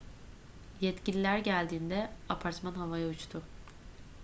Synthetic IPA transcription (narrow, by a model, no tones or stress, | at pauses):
jɛt̪cilʲilʲæɾɟælʲd̪iːnd̪ɛapʰaɾt̪manɦavajaut͡ʃt̪ʰʊ